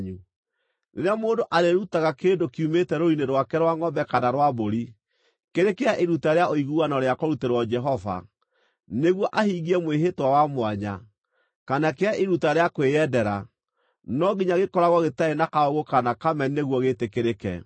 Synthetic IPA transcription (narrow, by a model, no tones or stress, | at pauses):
ɲu | neɾeamoːndoʔaɾeɾutaɣakeːndokiumetɛɾoineɾwakɛɾwaŋɔmbɛkanaɾwaboɾi | keɾekeaʔeɾutaɾeaoiɣuɣanɔɾeakoɾuteɾwɔd͡ʒɛɦɔva̰ | neɣwɔʔahiːɣiɛmweɦetwawamwaɲa̰ | kanakeaʔeɾutaɾeakwejɛdɛɾa̰ | nɔɡiɲaɣekɔɾaɣɔɣetaenakaoɣokanakamɛneɣwɔɣetekeɾekɛ̰